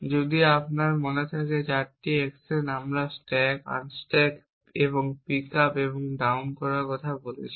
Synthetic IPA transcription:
d͡ʑod̪iapnaɾmonet̪ʰaket͡ɕaɾʈiɛksenamɾasʈɛka̰nsʈɛk | eβoŋpikapeβoŋɖawnkɔɾaɾkɔt̪ʰabolet͡ɕʰi̥

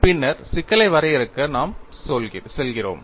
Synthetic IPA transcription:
pɪnːɐɾsɪkːɐlɐɪʋɐɾɐjɪɾɯkːɐnaːmsɔlɪsɔlɣɪro̰ːm

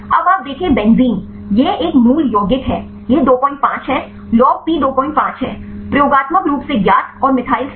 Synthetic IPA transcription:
ɐbaːp̚d̪eːkʰẽbɛ̃ːnziːn | jeeːkmuːljoːɡɪʈɦɛː | jed̪oːpɔ̃ːɪ̃nʈ̚pãːt͡ʃɦɛː | lɔːɡ̚piːd̪oːpɔ̃ːɪ̃ɳʈpãːt͡ʃɦɛ̰ːpɾɐjoːɡaːt̪məkɾuːpseɡjaːt̪ʰɔːɾmɪsʰaːɪl

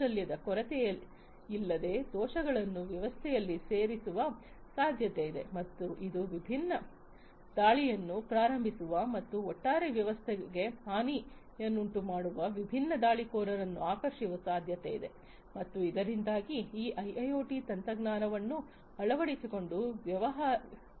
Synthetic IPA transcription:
ɐljɐd̪ɐkɔɾɐt̪ɛjɐ | ilːɐd̪e̞ːd̪ɔːʃɐɡɐɭɐnːuʋjɐʋɐst̪ʰɛjɐlːise̞ːɾisuʋɐ | saːd̪ʱjɐt̪eid̪e̞̰mɐt̪ːuʔid̪uʋibʱinːɐ | d̪̥aːɭijɐnːupɾaːɾɐmbʱisuʋɐmɐt̪ːuɔʈːaːɾeʋjɐʋɐst̪ʰɛɡe̞haːni | ɐnːuɳʈumaːɽuʋɐʋibʱinːɐd̪aːɭikɔːɾɐɾɐnːṵaːkɐɾʃiʋɐsaːd̪ʱjɐt̪eḭd̪e̞ | mɐt̪ːuid̪ɐɾind̪aːɡiiːʔɐjʔɐjoːʈit̪ɐnt̪ɾɐɡnaːnɐʋɐnːu | ɐɭɐʋɐɽisiko̞ɳɖuʋjɐʋɐɦa

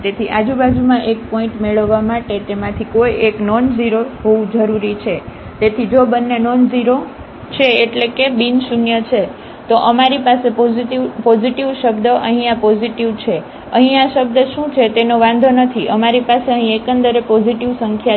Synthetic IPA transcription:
t̪et̪ʰiʔad͡ʒubad͡ʒumãʔek̚pɔĩʈmeɭəʋːamaʈet̪emãt̪ʰikojeknɔnziɾoɦoʋũd͡ʒəɾuɾit͡ʃʰe | t̪et̪ʰid͡ʒobənːenɔnd͡ʒiɾo | t͡ʃʰeːʈlekebinʃunjət͡ʃʰe | t̪oʔəmaɾipasepoziiʋpɔziʈiʋʃəbd̪əʔəɦĩapɔziʈiʋt͡ʃʰe | əɦĩaʃəb̚d̪əʃũt͡ʃʰet̪enoʋãnd̪ʱonət̪ʰiʔəmaɾipaseəɦĩekə̃nd̪əɾepɔziʈiʋsəŋkʰja

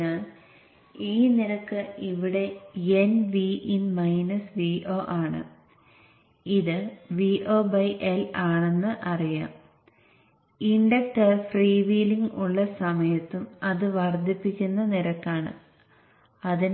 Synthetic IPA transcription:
aːn | iːniɾɐkːɨiʋiɽe̞enʋiʔinmɐjnɐsʋiʔo̞ːʔaːɳɨ̰ | iðɨʋiʔo̞ːbɐjʔelaːɳe̞nːɨʔɐrijaːm | iɳɖɐk̚ʈɐfriːʋiːliŋɡuɭːɐsɐmɐjɐt̪ːumɐðɨʋɐrd̪ʱːipːikʲːunːɐniɾɐkːaːɳɨ̰ | ɐðin

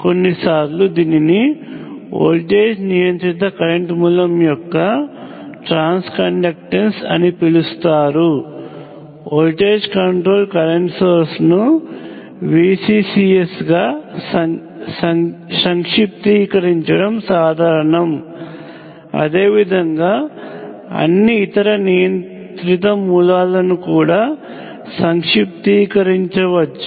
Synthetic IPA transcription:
ko̞nːisaːɾlud̪inini | o̰ːlʈe̞ːd͡ʒnijɐnt̪ɾit̪ɐkɐɾeɳʈmulɐmjɔkːɐ | ʈɾaːnskɐɳɖɐk̚ʈensɐnipilust̪aːɾu | olʈe̞ːd͡ʒkɐɳʈɾo̞ːlkɐɾeɳʈsoːɾsnu | ʋiːsisiesɡaː | sɐŋkʂip̚t̪iːkɐɾiɲt͡ʃɐɽɐmsaːd̪ʱaːɾɐɳɐm | ɐ̰d̪e̞ːʋid̪ʱɐŋɡaː | ɐ̰nːiːt̪ɐɾɐnijɐn | t̪ɾit̪ɐmulaːlɐnukuːɽaː | sɐŋkʂip̚t̪iːkɐɾiɲt͡ʃɐʋɐt͡ʃːu̥

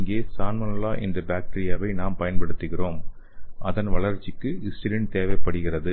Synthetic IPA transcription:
ŋɡeːsaːnmɐnlːaːʔɛ̰ndrɐbaːk̚ʈɐɾɪjaːʋɐɪnaːmpɐjɐnpɐɽɯt̪ːɯɣɪroːm | ʔɐðɐnʋɐɭɐɾt͡ʃːɪkːɯɪsʈɪlin̚t̪eːʋɐɪpːɐɽɯɣɪrɐðɯ

